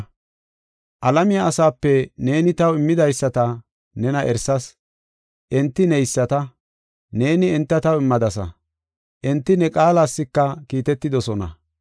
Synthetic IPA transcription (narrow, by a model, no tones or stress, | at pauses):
ʔɐlɐmɪjaːsaːpːɛne̞ːnɪt̪ɐwɪmːɪd̪ɐjsːɐt̪ɐ | nɛnɐʔɛɾsɐs | ʔɛnt̪ːɪnɛjsːɐt̪ɐ | ne̞ːnɪɛnt̪ːɐt̪ɐwɪmːɐd̪ɐsɐ̰ | ʔɛnt̪ːɪnɛkʼaːlaːsːɪkːɐkiːt̪ɛt̪ːɪd̪ɔsɔnɐ̰